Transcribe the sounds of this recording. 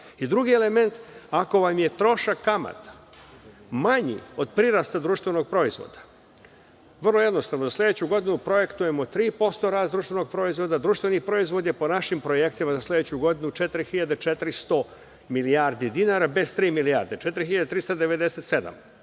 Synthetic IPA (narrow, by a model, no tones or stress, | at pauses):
id̪ɾuɡiele̞me̞nt̪ako̞ʋamje̞t̪ɾo̞ʃakːama̰t̪ | maɲḭo̞d̪pɾiɾast̪ad̪ɾuʃt̪ʋeno̞ɡ̚pɾo̞izʋo̰d̪̥ḁ | ʋr̩lo̞jed̪no̞st̪aʋnozaslˠe̞d̪et͡ɕuɡo̞d̪inupɾo̞je̞kt̪uje̞mo̞t̪ɾiːpo̞st̪o̞ɾaːsd̪ɾuːʃt̪veno̞ɡ̚pɾo̞izʋo̞d̪ad̪ɾuːʃt̪ʋenixpɾo̞izʋo̞d̪jepo̞naʃimpɾoje̞k̪̚sijamazaslˠe̞d̪et͡ɕuɡo̞d̪inut͡ʃe̞t̪ɾixiʎad̪et͡ʃet̪ɾist̪o̞ | milijaɾd̪id̪inaɾabe̞st̪ɾiːmilijaɾd̪et͡ʃe̞t̪ɾixiʎad̪et̪ɾist̪od̪e̞ʋe̞d̪e̞set̪se̞d̪a̰m